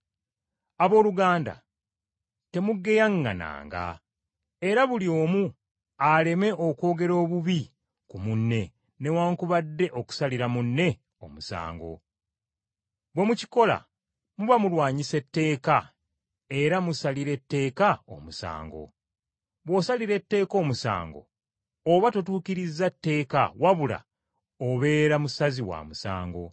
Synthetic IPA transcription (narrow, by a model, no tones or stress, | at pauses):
aβo̞ːluɡaːnda̰ | te̞muɡːe̞jaŋɡa̰na̰ːŋɡa̰ | e̞ɾaβulio̞ːmu | ale̞me̞ʔo̞ko̞ːɡe̞ɾo̞ːβuβi | kumunːe̞ | ne̞waːŋkuβadːe̞ʔo̞ku̥saliɾamunːe̞ | o̞musa̰ːŋɡo̞̰ | βwe̞muci̥ko̞la̰ | muβamulwaːɲise̞tːe̞ːka | e̞ɾamusaliɾe̞tːe̞ːkao̞̰musa̰ːŋɡo̞̰ | βwosaliɾe̞tːe̞ːko̞ːmusa̰ːŋɡo̞̰ | oβatot̬uːkiɾizːatːe̞ːka̰waβula̰ | oβe̞ːɾamusaziwa̰ːmusa̰ːŋɡo̞̰